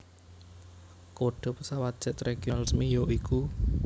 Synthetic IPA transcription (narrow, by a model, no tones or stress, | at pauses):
koɖ̥ɔ̤pəsawat̪̚d̥ʒ̥ət̪ɾeɡ̥iolɪsmijoʔiku